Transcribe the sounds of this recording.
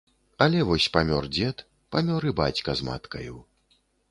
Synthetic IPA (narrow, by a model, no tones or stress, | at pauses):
ɐlʲɛvɔsʲpamʲɔrd͡zʲɛt̪ | pamʲɔɾɨba̰t͡sʲkɐzma̰t̪kɐjuw